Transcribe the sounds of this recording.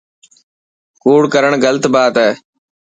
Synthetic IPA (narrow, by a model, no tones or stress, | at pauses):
kuːɽkəɾəɳ̃ɡələt̪baːt̪ɛː